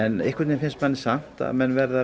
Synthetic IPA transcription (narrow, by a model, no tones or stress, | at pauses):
ɛnḛhkvɛɾt̪nɪfɪnst̪manːɪ̥sam̥t̪a̰ðmɛnːvɛɾðaɾ